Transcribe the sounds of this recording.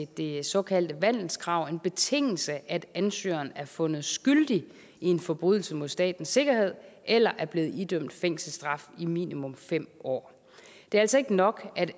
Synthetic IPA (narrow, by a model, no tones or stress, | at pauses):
d̥e̝sɒ̽kʰæl̰d̥əʋæn̰l̩skʰʁɑ̈ʊ̰e̝nb̥e̝t͡sʰe̝ŋ̰l̩səʔæd̥ænsø̰ːɐnæɐfɔ̽nð̞̩ˠsɡ̥yld̥i | ie̝nfɒ̽b̥ʁyð̰ˠl̩səmo̝ð̰ˠsd̥ɛ̰ːd̥n̩sːe̝ɡ̥ɐhe̝ð̞̰ˠʔelɐʔæɐb̥le̝ːð̩ˠid̥øm̰d̥feŋ̰sl̩sd̥ʁɑ̈fimḭːnimɔ̽mfem̰ɒ̰ː | d̥e̝æɐælsɐe̝ɡ̥ənɒ̽ɡ̥æd̥